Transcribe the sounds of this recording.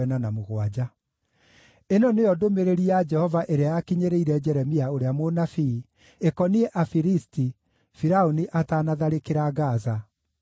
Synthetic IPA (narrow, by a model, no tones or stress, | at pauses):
ɛnanamoɣwad͡ʑa | enɔneɔdomeɾeɾiad͡ʒɛhɔvaʔeɾeajakiɲeɾeiɾɛd͡ʒɛɾɛmiaoɾeamonafi | ekɔnieʔafiɾisti | fiɾaoniʔataːnaðaɾekeɾaɣaza